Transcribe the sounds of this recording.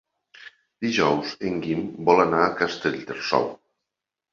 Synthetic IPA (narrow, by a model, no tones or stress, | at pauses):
d̪̥iʒɔwzeŋɡimbɔlanaːkast̪eʎt̪eɾsɔ̰w